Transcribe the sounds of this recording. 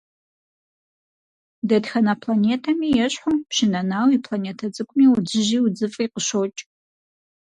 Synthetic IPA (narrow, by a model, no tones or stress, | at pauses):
dɐdxɐnɐpʰlaneːtʰɐmiːjɛɕħʊmpʃɪnɐnaːwipʰlaneːtʰɐt͡sʼɨkʷʰʼʊmiːud͡ʒɪʒiːwud͡zɨfʼiːqəʃot͡ʃʼ